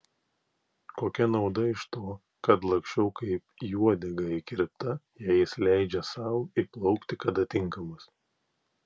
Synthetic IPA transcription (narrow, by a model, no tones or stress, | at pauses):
koːkʲɛnɒʊd̪ɐɪʃt̪oː | kɐt̪lˠɐ̃ŋksʲt͡ʃʲɛʊkɐɪpjuɔd̪ʲɛɡɐɪkʲɪɾʲpt̪ɐjɛɪslʲæˑɪd͡ʒʲɛsɐˑʊiplˠɒʊkt̪ʲɪkɐd̪ɐt̪ʲɪŋˑkɐmɐs